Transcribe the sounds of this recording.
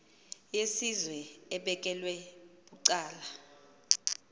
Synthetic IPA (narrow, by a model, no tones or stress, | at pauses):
jesizwɛɛɓɛk̬ʼɛlwɛɓuǀaːla